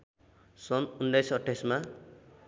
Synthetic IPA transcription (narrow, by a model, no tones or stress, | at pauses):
sʌnunɖʌjsʌʈʰːesma